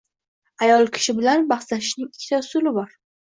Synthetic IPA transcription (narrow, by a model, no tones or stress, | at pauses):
ajɒlˠkʲʰɪ̥ʃɪbɪlanbaχt̪laʃɪʃnɪŋɪkʲʰːɪ̥t̪ʰasʊlɪbɒɾ